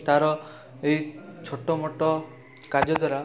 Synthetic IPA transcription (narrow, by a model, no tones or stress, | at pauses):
t̪aɾɔ | eɦit͡ʃʰoʈɔmɔʈɔ | kad͡ʒɔd̪waɾa